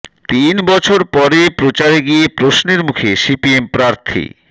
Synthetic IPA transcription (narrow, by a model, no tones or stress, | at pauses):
t̪inbɔt͡ɕʰoɾpɔɾepɾot͡ɕaɾeɡiepɾosneɾmukʰesipiempɾaɾt̪ʰḭ